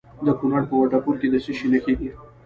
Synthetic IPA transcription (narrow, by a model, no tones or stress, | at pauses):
d̪əkunaɽpəwaʈapuɾked̪əsiʃinəkeɡi